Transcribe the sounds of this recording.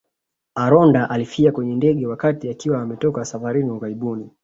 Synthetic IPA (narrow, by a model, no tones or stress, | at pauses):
aɾɔndaʔalifiakwɛɲɛndɛɠɛwakatiakiwaːmɛtɔkasafaɾiniuɣaɾiɓuni